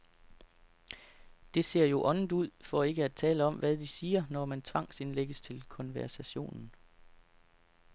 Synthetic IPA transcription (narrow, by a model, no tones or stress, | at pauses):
d̥e̝se̝ɐ̰jo̝ʔɒ̽nn̩d̥uð̞̰ˠfɒ̽e̝ɡ̥əæt͡sʰɛ̰ːləɒ̽mʋæðˠd̥isiːɐnɒmænt͡sʰʋɑ̈ŋ̰se̝nleɡ̥əst͡sʰe̝lkʰɒ̽nʋæɐsæɕo̝̰ːnn̩